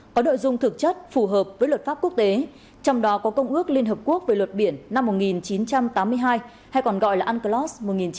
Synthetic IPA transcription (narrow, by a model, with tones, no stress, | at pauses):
kɔ˨˦no̰˧˨jzʊ˧ŋ͡mt̪ʰɨ˨˩k̚t͡ɕə˦˥t̚fu˧˩ɦəː˨˩p̚vəː˨˦jwə˨˩t̚faː˦˥p̚ku˦˥ək̚t̪e˨˦ | t͡ɕɔ˧wŋ͡mɗɔ˨˦kɔ˨˦kə˧wŋ͡mʔɨ˦˥ək̚li˧ənɦəː˨˩p̚ku˦˥ək̚veː˨˩lwə˨˩t̚ɓi˧˩ənːa˧mːo˨˩t̚ŋi˨˩nt͡ɕi˨˦nt͡ɕa˧mt̪aː˨˦mːɨ˧əjɦaː˧j | ha˧jkɔ˨˩nɣɔ̰˧˨jlaː˨˩ʔaː˧nkə˧lɔ˦˥smo˨˩ŋi˨˩nt͡ɕ